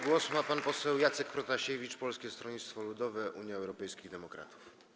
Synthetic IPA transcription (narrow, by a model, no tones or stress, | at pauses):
ɡwɔsmapanpɔsɛwjat̪sɛkpɾɔt̪aɕevʲit͡ʂpɔlskʲɛst̪ɾɔɲit̪st̪fɔlud̪ɔvɛʔuɲjaɛwɾɔpɛjskʲiɣd̪ɛmɔkɾa̰t̪u̥f